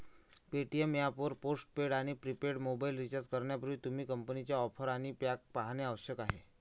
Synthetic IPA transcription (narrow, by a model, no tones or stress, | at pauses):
peʈiemjapəɾposʈ̚peɽaɽ̃ipɾipeɽmobailɾit͡ɕət̪kəɾɳjapəɾʋiːt̪um̤iːkəmpənit͡ɕjaɔpʰəɾaɽ̃ipjak̚paɦaneaʋəɕjəkaɦe